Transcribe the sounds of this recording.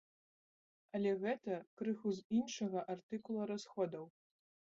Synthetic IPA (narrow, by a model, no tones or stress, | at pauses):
ɐlʲɛɣɛt̪ɐkɾɨxuzinʂɐɣɐʔart̪ɨkulˠɐɾasxɔd̪ɐw